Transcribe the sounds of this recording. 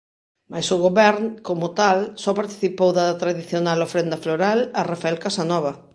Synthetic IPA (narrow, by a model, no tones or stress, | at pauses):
majsʊɣoβɛɾnkomʊt̪alsɔpaɾt̪i̥θipowðat̪ɾaðiθjonalofɾend̪ɐfloɾalɐrafaɛlkasanɔβ̞ɐ